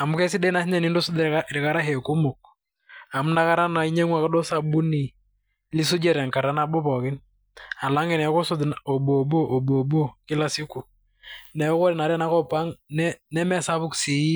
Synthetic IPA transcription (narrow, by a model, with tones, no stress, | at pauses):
a˨mʊ˦kɛ˦si˦dɛ˦na˦sɪ˦ɲɛ˨ni˦ndo˦sʊ˦da˨ɾɪ˨ka˦ɾa˦ɦe˨ku˦mʊ˨k̚ | a˨mʊ˦na˦ka˦ɾa˦na˨i˦ɲe˦ŋwa˨kɔ˦do˦sa˨bu˦ni˨ | li˦s̬ʊ˦d͡ʒɛ˨ɾɛ˨ŋka˨ɾa˦na˦bo˦pɔ˨kɪ˦n | a˨la˦ŋɛ˨nɛ˨˦ko˦sʊ˦do˨bo˨bo˦ʔo˨bo˨bo˦kɪ˦la˨sɪ˦ku˨ | nɛ˨˦ko˦ɾɛ˨na˨ɾɛ˦na˦kɔ˦pa˦ŋnɛ˦nɛ˦mɛ˨sa˦βʊ˦ksi˨i˦